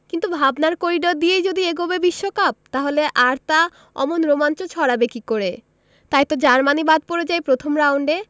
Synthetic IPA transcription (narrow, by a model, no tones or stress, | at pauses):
kint̪ubʱabnaɾkoɾiɖɔd̪ijejd͡ʑod̪ieɡobebiʃːokap̚t̪aɦoleʔaɾt̪a | ɔ̰monɾomant͡ɕot͡ɕʰɔɾabekikoɾe | t̪ajt̪od͡ʑaɾmanibad̪̚poɾed͡ʑajpɾot̪ʰomɾawɳɖe